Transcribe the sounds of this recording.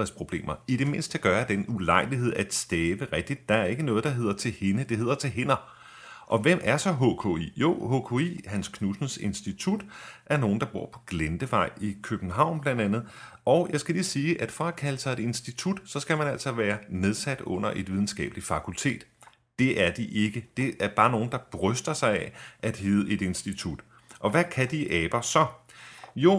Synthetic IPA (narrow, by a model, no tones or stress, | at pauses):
espʰʁo̝b̥le̝̰ːmɐid̥e̝me̝nsd̥æɡ̥ɶːɐd̥enulɑ̈ɪ̰liɦe̝ð̞̰ˠæd̥sd̥ɛːʋəʁɛɡ̥̚d̥id̥ːɑ̈æɐe̝ɡ̥ənɔ̽ːð̞̩ˠd̥ɑ̈ɦe̝ð̰ˠɐt͡sʰe̝lhe̝nəd̥e̝he̝ð̰ˠɐt͡sʰe̝ɦe̝nɐ | ʔɒ̽ʋem̰æɐsɒ̽ɦo̰kʰo̰ḭːjo̝ho̰kʰo̝ḭːhænskʰnusn̩se̝nsd̥it͡sʰud̥ʔæɐno̝ːn̩d̥ɑ̈b̥o̝ɐ̰pʰɒ̽ɡ̥lend̥əʋɑ̈ɪ̰ikʰøb̥n̩ɦɑ̈ʊ̰nb̥læn̰d̥ænð̩ˠ | ɒʊjɑ̈ɪsɡ̥ælisiːʔæd̥fɒ̽ækʰæləsɑ̈ɪe̝d̥e̝nsd̥it͡sʰud̥sɒ̽sɡ̥æmænæl̰sɒ̽ʋæːɐneð̞ˠsæd̥ɔ̽n̰ɐʔe̝d̥ʋiðˠn̩sɡ̥ɛ̰ːb̥li̥fɑ̈kʰult͡sʰe̝̰ːd̥ | d̥e̝ʔæɐd̥iʔe̝ɡ̥əd̥e̝æɐb̥ɑ̈ːno̝ːn̩d̥ɑ̈b̥ʁœsd̥ɐsɑ̈ɪɛʔæd̥ɦeːð̩ˠəe̝d̥e̝nsd̥it͡sʰud̥ | ʔɒ̽ʋækʰæd̥iʔɛːb̥ɐsɒ̽jo̝